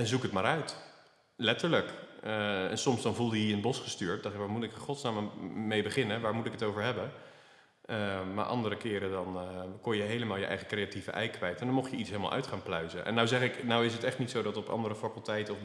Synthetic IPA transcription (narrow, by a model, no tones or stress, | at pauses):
ɛnzukɦətmaːɾœɥt | lɛtəɹlək | ɛ̰nsɔmzdɑnvulˠdəiənbɔsχəstyːɹt̚dɑχtʋaːɹmutɪkəχɔtsnaːmmejbəχɪnəʋaːɹmutɪkətowvəɹɦɛbə | əma̰ɹʔɑ̰ndəɾəkɪːɾədɑnkɔnjəɦejləmaːlˠjəʔɛ̰jχəkrejativə̰ʔɛ̰jkʋɛjtɛndɑnmɔχjəitsɦelˠma̰ʔœ̰ɥtχaːnplœɥzəʔɛ̰nːawzɛχɪknawɪs̬ɦətɛχtnitsowdɑtɔpɑ̰ndəɾəfakəlˠtɛjtəɔf